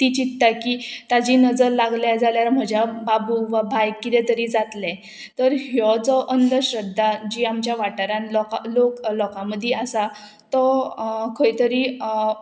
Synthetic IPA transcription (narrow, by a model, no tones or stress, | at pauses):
t̪it͡ɕit̪ːakit̪ad͡ʑiːnəd͡zəɾlaɡljad͡zaljaɾm̤əd͡ʑjababuʋabʱajkːit̪ɛ̃t̪əɾiːd͡zat̪lɛ | t̪əɾɦjɔd͡zɔʔənd̪əɕɾəd̪ʱːad͡ʑiːamt͡ɕjaʋaʈəɾãnlɔaloklɔkãməd̪ʱːjɛəsa | t̪ɔkʰəit̪əɾi